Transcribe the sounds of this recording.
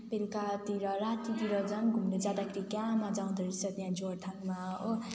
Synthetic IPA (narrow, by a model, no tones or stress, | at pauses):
pelikat̪iɾʌɾat̪it̪iɾʌd͡zʌnɡʱumned͡zad̪akʰɾikamad͡zaw̃d̪ʌɾisʌt̪jãd͡zoɾt̪ʰaŋmao